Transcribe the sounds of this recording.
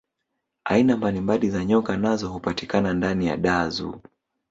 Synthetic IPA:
ainambalimbalizaɲɔkanazɔhupatikanandanija̰ɗazṵ

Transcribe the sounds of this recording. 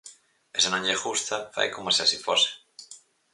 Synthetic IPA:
esanõɲʎexust̪afa̰jkomasesifose̥

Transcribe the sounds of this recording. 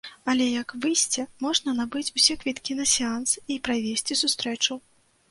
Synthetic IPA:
ɐlʲɛjɐkvɨsʲt͡sʲɛmɔʐnɐnabɨt͡sʲusʲɛkvʲit̪kʲinɐsʲɛansipɾavʲesʲt͡sʲisust̪ɾɛt͡ʂu

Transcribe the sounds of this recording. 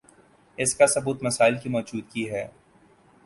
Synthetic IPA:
ɪskasɐbuːt̪mɐsaːɪlkimɔːd͡ʒuːd̪kiɦɛː

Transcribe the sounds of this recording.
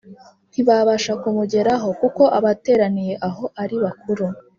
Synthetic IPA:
n̥iβaβaʃakumuɟe̞ɾaɦo̞kuko̞ʔaβate̞ːɾanije̞ʔaɦo̞ʔaɾiβakuɾu

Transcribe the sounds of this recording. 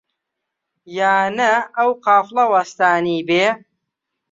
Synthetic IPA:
jaːnɐɐwqɑːflˠɐwɐst̪aːniːbeː

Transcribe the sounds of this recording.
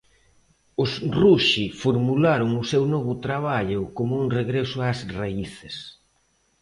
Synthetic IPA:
ʊsruʃifoɾmulaɾʊŋʊsewnɔβʊt̪ɾaβ̞aʎʊkomʊuŋreɣɾesʊasraiθɪs

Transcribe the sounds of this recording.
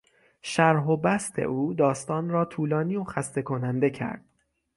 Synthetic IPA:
ʃæɾɦo̞bæst̪ʰe̞̰ʔuːd̪ɒːst̪ɒːnɾɒːt̪ʰuːlɒːniːoxæst̪e̞kʰo̞nænd̪e̞cʰæ̰ɾd̪̥̚

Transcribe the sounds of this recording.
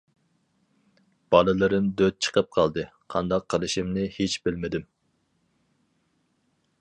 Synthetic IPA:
b̥ɑlˠɨlˠɨɾɨmd̪øt̪̚t͡ʃʰə̥qʰəp̚qʰɑlˠd̪ɨqʰɑ̰nd̪ɑqʰːəlˠɨʃimnɪhet͡ʃbɪlmɪd̪ɪm

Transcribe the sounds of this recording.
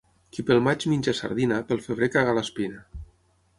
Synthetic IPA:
kipelˠmad͡ʒminʲd͡ʒesa̰ɾðinapelˠfeβɾekaɣalaspina

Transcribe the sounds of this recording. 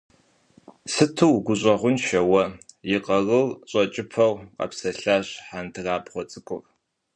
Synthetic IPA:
sɨtʰɨwɡʷʊɕʼɐʁʷʊnʃɐwɐjɪqʼɐrɨrɕʼɐt͡ʃʼɪpʰɐwqɐ̰psɐɬaːɕħantʰɨraːbʁʷɔt͡sʼɨkʷʼʊ̰r

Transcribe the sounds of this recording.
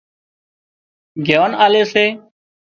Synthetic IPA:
ɡʱjaːnaːleːseː

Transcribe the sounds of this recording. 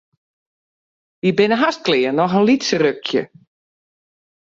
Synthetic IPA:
ʋibɪnəɦas̚klɪːənːɔxənlitsərøkʰjə̰

